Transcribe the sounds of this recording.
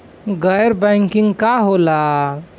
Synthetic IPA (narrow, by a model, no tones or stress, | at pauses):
ɡəjɾbəɪŋkĩŋɡkaɦola